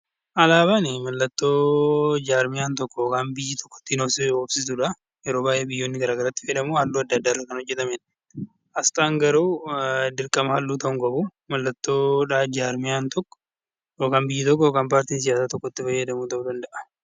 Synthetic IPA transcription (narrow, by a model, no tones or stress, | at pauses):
ʔɐlaːβanɪmɐlːɐt̪ːoːd͡ʒaːɾmɪjaːnt̪ɔkːɔoːkaːnbɪjːɪt̪ʰɔ̥kːɔ̥t̪ːɪnoːsɪoːbsɪsuᶑɐ | jɛɾo̞ːbaːjʔeːbɪjːoːnːɪɡɐɾaːɡɐɾɐt̪ːɪ̥fɛᶑɐmuːhɐlːuːɐd̪ːɐd̪ːaːrːɐkɐnhɔd͡ʒːɛt̪ɐmɛn | ʔɐst̪aːŋɡɐɾuːd̪ɪɾkʼɐmɐhɐlːuːt̪ɐʊŋkʼɐbumɐlːɐt̪ːoːᶑaːd͡ʒaːɾmɪjaːnt̪ʰɔkːɔ̥ | joːkaːnbɪjːɪt̪ɔk̬ːɔjoːkaːnpaːɾt̪iːns̬ɪjaːsaːt̪ɔkːɔt̪ːɪfɐjːɐd̪ɐmuːt̪ɐʔʊd̪ɐnd̪ɐʔɐ̥